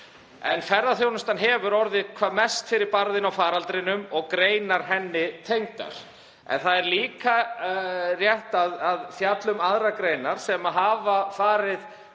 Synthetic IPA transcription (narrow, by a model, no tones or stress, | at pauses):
ɛ̰nfɛɾðaθjownʏst̪anɦɛvʏɾɔɾðɪkʰvaːmɛst̪fɪɾɪɾpaɾðɪnawfaːɾalt̪ɾɪnʏmɔɣkɾeːjnaɾ̥ɦɛnːɪt̪ʰejŋt̪a̰ɾ̥ | ɛ̰nθaðɛɾliːka | rjɛht̪aðaðθjat̪lʏmaðɾakɾejnaɾ̥sɛmaɦaːvafaːɾɪð